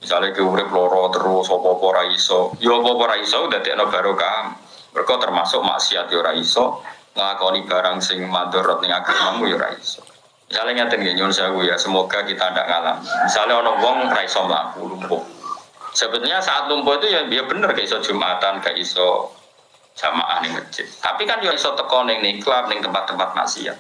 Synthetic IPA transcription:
misalekiuɾɪp̚lɔɾɔt̪əɾʊsɔpɔpɔɾaisɔjɔpɔpɔɾaisɔkud̪̥a̤d̪eʔnɔb̥a̤ɾukam | mərkɔt̪ərma̰sʊʔma̰ʔsiat̪̚jɔɾaisɔ | ŋəlakɔnib̥a̤ɾaŋsɪŋmand̪ɔɾɔt̪̚nɪŋaɡ̥amamujɔɾa̰ḭsɔ̥ | misalɪŋat̪ɪnɡeɲʊnsakujasəmoɡ̥a̤kit̪anda̰ʔŋala̰mimisalɪɦɔnɔwɔŋraisɔməla̰kṵlumpʊhsəb̥ət̪̚ɲasaʔat̪̚lumpʊit̪ujabijɔb̥ə̤nərkaʔisɔd̥ʒ̥ṳmʔat̪ankaʔisɔ̰ | d̥ʒ̥ama̰ʔa̰hnɪŋmət͡ʃɪt̪a̰pikanjɔisɔt̪əkɔnɪŋniklar̚nɪŋt̪əmpat̪ːəmpat̪̚ma̰ʔsḭa̰t̪̚

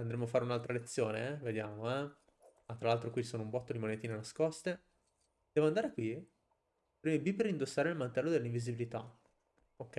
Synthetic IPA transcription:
and̪ɾemːoafaɾeunalt̪ɾalet̪sːjo̰ːneved̪jaːmoɛ | at̪ːɾalalt̪ɾokwit͡ʃsoːnoumbɔt̪ːod̪imonet̪iːnenaskɔst̪e | d̪̥ɛːvoand̪aːɾekwi | pɾimebipeɾind̪osːaːɾeilmant̪ɛlːod̪elːiɱvizibilit̪a̰ | okːɛ

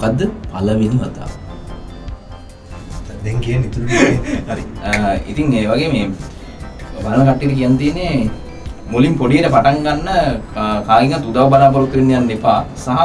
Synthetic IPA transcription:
mukad̪ːəpɐlɐʋiniʋɐt̪a̰ː | d̪eŋkijɐnːit̪uɾuɡɐɾiḭt̪iŋeːʋaɡeːmeː | ʋaɾɐnɐkɐʈːijʈukijanːət̪iːnːe | mulimpoɽijeʈəpaʈaŋɡanːəkaːliŋɡat̪ːud̪aːʋɐbɐnaːbɐɾukːəɾinːijanːipːaːsaɦɐ

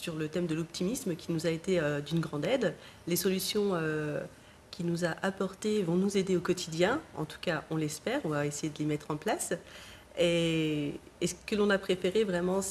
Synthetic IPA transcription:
syʁlət̪ɛmd̪əlɔpt̪ʰimisməkʲinuzaet̪eød̪ynɡʁɑ̃d̪ɛd̪ | lesɔlysjɔ̃ø | kʲʰinuzaʔapɔʁt̪evɔ̃nuzed̪eokɔt̪ʰid̪jɛ̃ɑ̰̃t̪u̥kaʔɔ̃lɛspɛːʁɔ̃vaesejed̪əlemɛt̪χɑ̃plas | e | esə̥kəlɔ̃napχefeʁevʁɛmɑ̃s

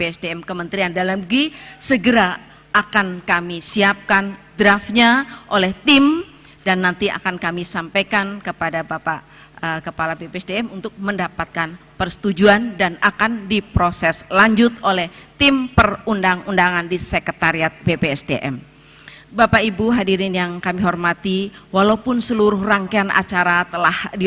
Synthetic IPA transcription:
peɛsdeɛmkəmənt̪ɾiandalamɡisəɡəɾa | akankamisiap̚kandɾafɲaʔolɛht̪ɪm | danːant̪ia̰kankamisampajkankəpadabapa | əkəpalabepeɛsdeɛmunt̪ʊk̚məndapat̪̚kanpərsə̥t̪ud͡ʒuandanakandipɾosɛslaɲd͡ʒʊt̪olɛht̪ɪmpərundaŋundaŋandisəkət̪aɾiat̪̚bepeɛsdeʔɛm | bapaibuɦadiɾɪnjaŋkamiɦɔrmat̪iwalaupʊnsəluɾʊhraŋkeanʔa̰t͡ʃaɾat̪əlahdi

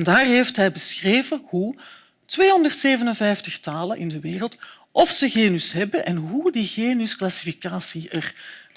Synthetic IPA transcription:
ndaːrɦeftɦɛjbəsxreːvəhu | tʋeːɦɔndərtseːvənənvɛjftəxtaːlənʔɪndəʋeːrəlˠt | ʔɔfsəɣeːnysɦɛbənʔɛnɦudiɣeːnysklasi̥fikaːsiər

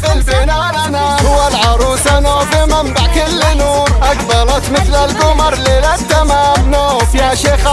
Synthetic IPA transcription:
ɪlbɪnananahʊwːalʕɑɾˤuːsanoːbɪmambaʕkɪlːnuːɾʔaɡbɑˤnɑt̪mɪθlalbʊmɑɾˤlɪlab̚d̪ːamabnoːfjaʃexa

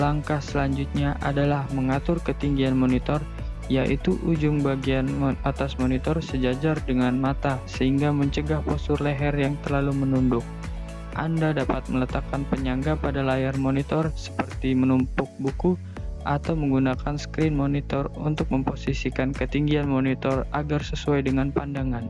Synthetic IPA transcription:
laŋkahsəlaɲd͡ʒut̪̚ɲaʔadalahməŋat̪ʊrkət̪iŋɡianmonit̪ɔr | jaʔit̪uʔud͡ʒʊŋbaɡianat̪asmonit̪ɔrsəd͡ʒad͡ʒardəŋanmat̪asəhiŋɡaməɲt͡ʃəɡahposʊrlɛɦɛrjaŋt̪ərlalumənundʊk̚ | ʔandadapat̪̚mələt̪akːanpəɲaŋɡapadalajarmonit̪ɔrsə̥pərt̪imənumpʊk̚buku | ʔat̪awməŋɡunakansə̥kɾɪnmonit̪ɔrunt̪ʊk̚məmposisikankət̪iŋɡianmonit̪ɔra̰ɡarsəsuajdəŋanpandaŋan

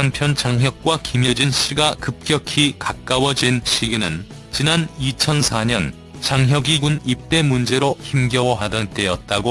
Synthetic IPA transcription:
ampʰjʌnt͡ɕaŋɦjʌk̚k͈wakimjʌd͡ʑinɕʰiɡakɯp̚k͈jʌkʰikak̚k͈awʌd͡ʑinɕʰiɡinɯn | t͡ɕinanit͡ɕʰʌnsʰaɲʌn | t͡ɕaŋɦjʌɡiɡunip̚t͈e̞mund͡ʑe̞ɾoçimɡjʌwʌɦadʌnt͈ejʌt̚t͈aɡo

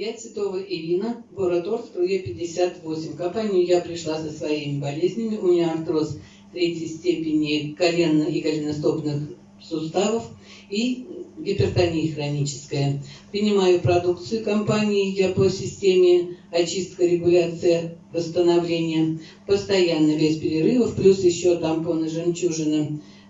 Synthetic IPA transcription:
jat̪svʲɪt̪o̞vəʔɪlʲinəboɾɐt̪orft̪ɾojʲepʲɪdʲːɪsʲat̪vo̞sʲɪmʲkɐmpanʲɪjʊjapɾʲɪʂlˠasəsvɐimʲɪbɐlʲezʲnʲɪmʲɪʔʊnʲɪart̪ɾos | t̪ɾʲetʲjəjsʲtʲepʲɪnʲɪkɐlʲe̞nːəʔikɐlʲɪnɐst̪opnɨx | sʊst̪avəf | iɡʲɪpʲɪrt̪ɐnʲijəxrɐnʲit͡ɕɪ̥skəjəpɾʲɪnʲɪmajʊpɾɐd̪uk̚t̪sɨjʊkɐmpanʲɪɪjapəsʲɪsʲtʲemʲɪɐt͡ɕist̪̚kəɾʲɪɡʊlʲat̪sɨjəvəst̪ənɐvlʲenʲɪjə | pəst̪ɐjanːəvʲesʲpʲɪɾʲɪɾɨvəfplʲusjɪɕːot̪amponəʐɨmt͡ɕuʐɨnə

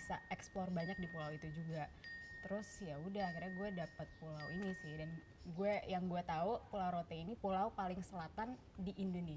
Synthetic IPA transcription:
saɛksplɔrbaɲak̚dipolawit̪ud͡ʒuɡat̪əɾʊsjaudahkaɾaɡuɛdapat̪̚polawinisɪhdan | ɡuɛjaŋɡuɛt̪aupolawɾot̪ɛinipolaupalɪŋsəlat̪an | diʔindoni

